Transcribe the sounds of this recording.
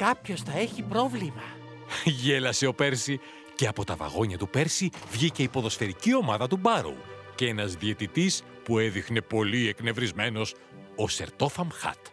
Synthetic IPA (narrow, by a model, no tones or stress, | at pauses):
kɐpço̞sθɐeçipɾo̞vlimɐ | ʝe̞lɐse̞o̞pe̞ɾsi | ce̞ɐpo̞t̪ɐvɐ̰ɣo̞ɲɐt̪upe̞ɾsivʝice̞ipo̞ðo̞sfe̞ɾicio̞mɐðɐt̪ubɐɾo̰u | cee̞nɐzðie̞t̪it̪is | pueðixne̞po̞liekne̞vɾizme̞no̞s | ose̞̰ɾt̪o̞fɐmxɐ̰t̪